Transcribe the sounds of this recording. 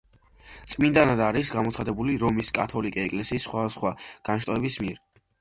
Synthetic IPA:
t̪sʼmind̪anad̪aɾisɡamɔt̪sχad̪ɛbuliɾɔmiskʼat̪ʰɔlikʼɛɛkʼlɛsiːsːχwad̪asχwaɡ̥anʃt̪ʼɔɛbismiɛɾ

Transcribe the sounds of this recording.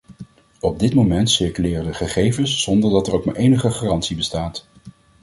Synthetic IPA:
ɔb̚dɪtmowmɛntsɪɹkylɪːrəndəχəχejvənsːɔndəɹdɑtɛɹowkma̰ɹʔejnəχəχaːrɑntsibəstaːt

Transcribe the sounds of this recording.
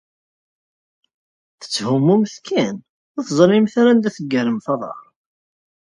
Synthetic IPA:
θə̥t͡sːhumːuməθkʰæn | æθzˤlɪmθaɾand̪æθəɡːəɾəmθɑðˤɑ̰ɾˤ

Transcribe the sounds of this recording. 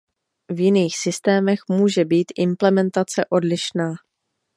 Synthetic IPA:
vjɪniːxsɪst̪ɛːmɛxmuːʒɛbiːt̪ʔɪmplɛmɛnt̪at͡sɛʔo̞dlɪʃnaː

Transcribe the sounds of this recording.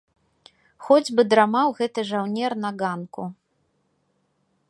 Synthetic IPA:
xɔd͡zʲbɨd̪ɾamawɣɛt̪ɨʐawnʲɛrnɐɣankṵ

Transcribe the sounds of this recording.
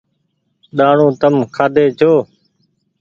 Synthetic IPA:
ɗaːɳũːt̪əmkʰaːd̪ʱeːt͡ʃʰoː

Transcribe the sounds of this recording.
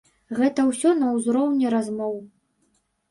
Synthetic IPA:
ɣɛt̪ɐwsʲɔnɐwzɾɔwnʲɛɾazmɔw

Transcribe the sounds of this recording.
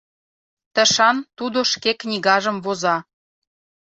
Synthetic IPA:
t̪ə̆ʃɑnt̪ud̪oʃkeknʲiɣɑʒə̆mvozɑ

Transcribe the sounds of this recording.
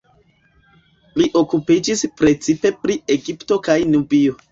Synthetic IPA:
liʔo̞kupid͡ʒispɾe̞t͡sipe̞pɾie̞ɡipto̞kajnubio̞

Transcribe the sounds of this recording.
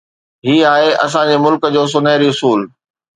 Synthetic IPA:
ɦiːaːɦeʔɐ̰s̬ãd͡ʑeːmʊlkə̆d͡ʑoːs̬ʊneɪɾiʊsuːl

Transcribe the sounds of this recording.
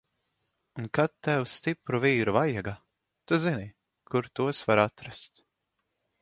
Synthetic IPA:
unkat̪ːɛwst̪ipɾuviːɾuvajɛɡa | t̪uzini | kʰuɾt̪uɔsvaɾat̪ɾast̪

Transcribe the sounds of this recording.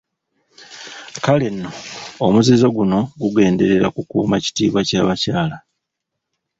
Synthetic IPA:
kale̞nːo̞ːmuzizo̞ɡuno̞ɡuɡe̞ːnde̞ɾe̞ɾakukuːmaci̥tiːβwacaːβacaːla

